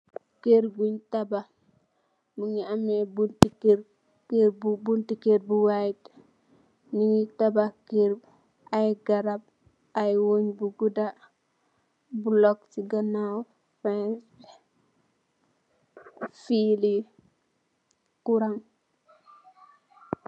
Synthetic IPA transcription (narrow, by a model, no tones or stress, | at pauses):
keɾɡuɲtaba | muŋiamɛbuntikeɾ | kebubuntikeɾbuwait | niŋitabakeɾ | ʔajɡaɾab̚ | ajwoɲbuɡuda | bulɔktiɡanaw | fɛns | fili | kuɾaŋ